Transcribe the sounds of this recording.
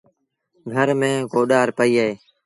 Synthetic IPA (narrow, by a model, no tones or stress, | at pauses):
ɡʱəɾmẽːkoːɗaːɾpəiːaːɦeː